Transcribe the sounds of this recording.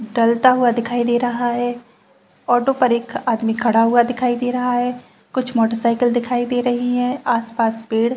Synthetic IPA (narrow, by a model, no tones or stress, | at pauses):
ɖɐlt̪aɦuad̪ɪkʰaːid̪eːɾɐɦaɦɛː | ɔːʈopɐɾeːkʰaːd̪mikʰɐɽaɦʊad̪ɪkʰaːid̪eːɾɐɦaɦɛː | kʊt͡ʃʰmɔːʈəɾsaːɪkəld̪ɪkʰaːid̪eːɾɐɦiɦɛ̃aːspaːspiːɽ